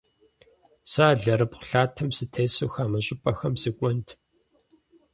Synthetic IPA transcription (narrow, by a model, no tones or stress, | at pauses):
saːɮɐɾɨpχʷʊ̥ɬaːtʰɨmsɨtʰeːsɨwxaːmɨɕʼɪpʼɐxɐmsɨkʷʼɔntʰ